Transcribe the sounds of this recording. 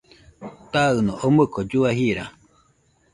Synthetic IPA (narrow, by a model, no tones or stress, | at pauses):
t̪aɨnoʔomɯkod͡ʒuaɦiɾa